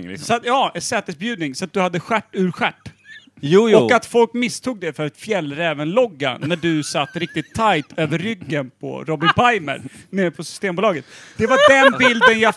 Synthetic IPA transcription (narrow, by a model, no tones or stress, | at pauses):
sat̪jɑːɛsɛːt̪əsbjʉ̟ːd̪nɪŋsɔat̪̚d̪ɵhad̪ːəɧæʈːʉ̟ːɾɧæʈː | ɔkkːat̪fɔlkmɪst̪ʰuːɡ̚d̪ɛfœɾat̪fjɛlːɾɛːvənlɔɡːa̰næɖɵsat̪ːɾɪk̚t̪ɪt̪ʰːajt̪ʰøːvəɾːʏɡːənpʰɔ̰ɾɔbɪnpʰajmə̰ɾmepʰɔsʏ̥st̪eːmbuːlɑːɡət̪d̪̥ɛvaɖɛnbɪld̪ənja